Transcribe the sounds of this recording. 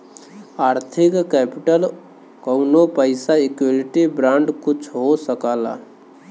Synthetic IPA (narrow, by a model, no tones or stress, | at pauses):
aːɾt̪ʰɪkkɛːpiʈəl | kəʊnopəɪsaikwelɪʈibɾãːɳɖkʊt͡ʃʰɦosəkaːla̰